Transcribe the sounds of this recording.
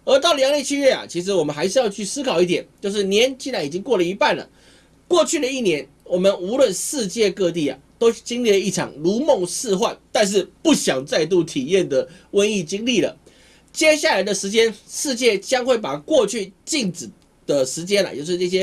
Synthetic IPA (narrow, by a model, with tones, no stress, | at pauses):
ə˞˧˥t̪ɑ˥˩lə˨˧jɑ˧˥ŋljɛ˥˩t͡ɕʰy˥ɥɛ˥˩a̰˨˩t͡ɕʰi˧˥ʂ̬ɻ̩˧˥wɔ˨˩mə˦nxa˧˥ɪʂ̬ɻ̩˥˧jɑ˥˧ʊt͡ɕʰy˥˩sɹ̩˥kʰɑ˨˩ʊi˥˩t̪̬jɛ˨˩˦nt͡ɕjo˥˧ʊʂ̬ɻ̩˥˩njɛ˧˦nt͡ɕi˥˧nɻa˧˥ni˨˩t͡ɕi˦˥ŋkwɔ˥˩lə˩i˧˥pa˥˩nlə̰˩ | kwɔ˥˧t͡ɕʰy˥˩ɾə˩i˥˩njɛ˧˦n | wɔ˨˩mə˨˦nu˧˥lwə˥˨˧nʂɻ̩˥˧t͡ɕjɛ˥˧kɤ˥˧t̪̬i˥˩a̰˨˩t̪o˥ʊt͡ɕi˥ŋli˥˩lə˩i˥˩ʈ͡ʂʰɑ̰˨˩ŋlu˧˥mɔ˥˧ŋʂɹ̩˥˧xwa˥˨nt̪a˥˧nʂ̬ɻ̩˥˩˨pu˥˩ɕjɑ˨˩ŋt͡sa˥˧ɪt̪̬u˥˩t̪ʰi˨˩jɛ˥˨nd̪ə˩ | wə˥ni˥˩t͡ɕi˥ŋli˥˩lə̰˩ | t͡ɕjɛ˥ɕja˥˩la˧˥ɪd̪ə˨˧ʂɻ̩˧˥t͡ɕjɛ˥nʂɻ̩˥˧t͡ɕjɛ˥˩t͡ɕjɑ˥ŋxwe˥˩ɪpa˨˩kwɔ˥˧t͡ɕʰy˥˧t͡ɕi˥˩ŋʈ͡ʂɻ̩˨˩ | d̪̥ə˨˩ʂɻ̩˧˥t͡ɕjɛ˥na̰˨jo˥˧ʊʂɻ̩˥˧ʈ͡ʂɤ˥˧˩ɕ̬jɛ˦˥